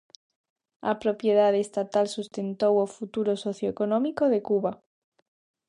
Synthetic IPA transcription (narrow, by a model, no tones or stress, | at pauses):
apɾopjeð̞aðest̪at̪alsust̪ent̪owofut̪uɾosoθjoekonõmikoðekuβa